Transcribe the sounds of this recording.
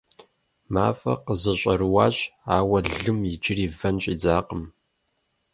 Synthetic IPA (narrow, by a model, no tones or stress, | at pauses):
maːfɐ̰qəzɐɕʷʼɐrwaːɕaːwɐɮɨmjɪd͡ʒɪriːvɐnɕʼiːd͡zaːqʼəm